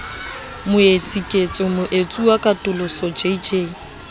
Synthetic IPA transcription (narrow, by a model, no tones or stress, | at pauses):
mʊet͡sʼikʼet͡sʼɔmʊʔet͡sʼuakʼatʼʊlʊsɔd͡ʒeid͡ʒeː